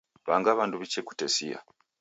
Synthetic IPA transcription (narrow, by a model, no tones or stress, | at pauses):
βa̰ːŋɡaːβaːnduβiceku̥tesija̰